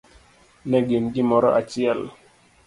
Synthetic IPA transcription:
nɛɡinɡimɔɾɔ̰ʔat͡ʃiɛl

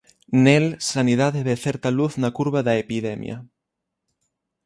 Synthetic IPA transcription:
nelsanið̞aðeβeθeɾt̪aluθnakuɾβaðaepiðemj̰a̰

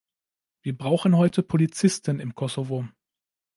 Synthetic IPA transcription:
viːɐbʁaʊxn̩hɔʏtʰəpʰolit͡sɪstənɪmkʰɔsovo

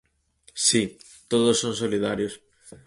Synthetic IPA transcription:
si | t̪oðosːõnsoliðaɾjos

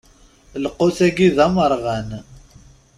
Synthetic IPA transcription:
ləqːʊθæɡiðɑməɾˤʁæn

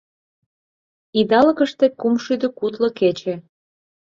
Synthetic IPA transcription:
id̪ɑlə̆kə̆ʃt̪ĕkumʃyd̪ə̆kut̪lŏket͡ɕe

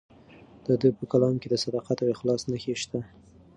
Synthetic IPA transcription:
d̪̥əd̪əjpəkalɑmked̪əsad̪ɑqat̪awexlɑsnəxeʃt̪a

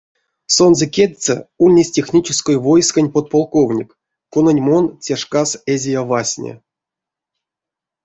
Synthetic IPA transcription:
sonzəkʲed̪̚ʲt͡s̪ə̰ulʲnʲesʲtʲexnʲit͡ʃɪskojvo̞jskanʲpot̪̚polˠkovnʲikː | unənʲmont͡sʲeʂkasezʲejavasʲnʲḛ

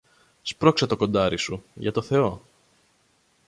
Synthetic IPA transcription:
spɾo̞ksɐt̪o̞ko̞nd̪ɐɾisujʝɐt̪o̞θe̞o̞

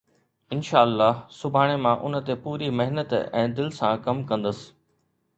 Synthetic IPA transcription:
ɪnʃaːlːaːɦsʊbʱaːɽ̃emãʔʊnə̆t̪epuːɾimɐɦɪnət̪ɛ̰̃ːd̪ɪlsãkɐmkɐ̃nd̪əsɪ̥̆

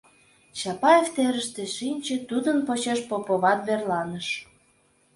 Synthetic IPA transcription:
t͡ɕɑpɑeft̪eɾəʃt̪ĕʃinʲt͡ɕĕt̪ud̪ənpot͡ɕeʃpopoβɑt̪βerlɑnəʃ

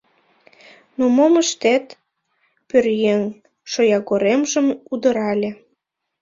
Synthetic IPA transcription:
nomoməʃt̪et̪ | pørjeŋ | ʃojɑɣoɾemʒəmud̪ə̆ɾɑlʲĕ

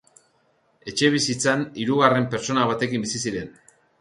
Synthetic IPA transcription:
e̞t͡ʃe̞β̞isit͡saniɾuɣare̞mpe̞ɾt͡so̞naβ̞at̪e̞kimbisisiɾe̞n

